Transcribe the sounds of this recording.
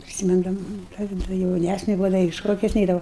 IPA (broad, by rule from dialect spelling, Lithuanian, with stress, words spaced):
pʲrʲɪsʲɪˈmʲɪndɐmɐ dɐ jɛʊˈnʲæsʲnʲɛ bʊˈʋɐʊ dɐ ɪ ˈʃoːkʲʊs ˈnʲɛɪdɐʋɐʊ